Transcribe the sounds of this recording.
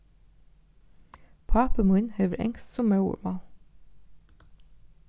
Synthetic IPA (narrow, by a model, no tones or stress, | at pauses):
pʰɑːpəmʉnheːʋəɾʔɛ̰ŋst̪sɔmːɑʉə̰mɑːl